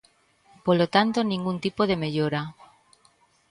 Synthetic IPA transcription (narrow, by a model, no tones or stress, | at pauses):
polot̪ant̪onĩŋɡunt̪ipoð̞e̞me̞ʎoɾa